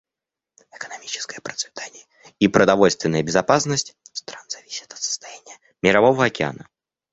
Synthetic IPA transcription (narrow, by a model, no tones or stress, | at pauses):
ɪkənɐmʲit͡ɕɪ̥skəjəpɾət̪svʲɪ̥t̪ʰanʲɪjə | ipɾəd̪ɐvo̞lʲst̪vʲɪnəjəbʲɪzɐpasnəsʲtʲst̪ɾanz̥ɐvʲisʲɪ̥t̪ɐ̥t̪sə̥st̪ajanʲɪjə | mʲɪɾɐvo̞vəɐkʲɪa̰nə